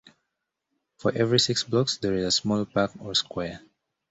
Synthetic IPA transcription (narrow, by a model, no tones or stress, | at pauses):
fɔɹʔɛvɹisɪksblɔksdɛɹizəsmɔlpakɔɹskwɛɹ